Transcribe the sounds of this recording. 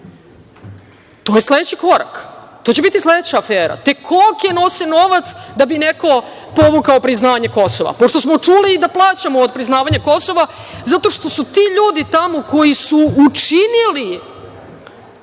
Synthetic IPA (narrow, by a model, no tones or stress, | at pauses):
t̪o̞jesle̞d̪et͡ɕiko̞ɾa̰kt̪ot͡ɕe̞bit̪islˠed̪et͡ɕaːfeːɾa̰t̪e̞kʰokjeno̞seno̞ʋat̪sd̪abineko̞ | po̞ʋukaopɾiznaːʋɲeko̞soʋa̰po̞ʃt̪o̞smo̞t͡ʂuːliːd̪aplˠaːt͡ɕamoːd̪̚pɾiznaːʋaɲako̞so̞ʋazat̪o̞ʃt̪o̞sut̪iːʎuːd̪it̪amo̞ko̞jisuut͡ʃinili